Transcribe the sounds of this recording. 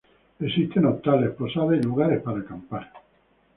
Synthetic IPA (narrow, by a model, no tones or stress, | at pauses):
esist̪ʰenot̪ːaleposaβeluɡaɾepaɾakampaɾ